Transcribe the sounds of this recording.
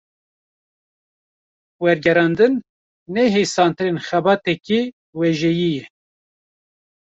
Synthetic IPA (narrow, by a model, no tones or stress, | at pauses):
wɛɾɡɛɾɑːnd̪ɨnː | ɛɦesɑːnt̪ɨɾenxɛbɑːt̪ɛki | wɛʒɛjijɛ